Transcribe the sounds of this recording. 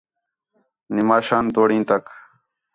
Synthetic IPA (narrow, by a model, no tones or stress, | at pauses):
nɪmaːʃaːnt̪oːɽĩːnt̪ɐk